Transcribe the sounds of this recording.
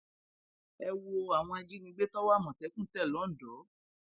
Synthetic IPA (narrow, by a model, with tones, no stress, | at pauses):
ɛ˧wo˧a˨w̃ɔ̃˧a˧d͡ʒi˦nĩ˧ɡ͡be˦tɔ˦wa˦˨mɔ̃˨tɛ˨˦kũ˦˨˦tɛ˦˨lɔ˨˦n̩˨dɔ˨˦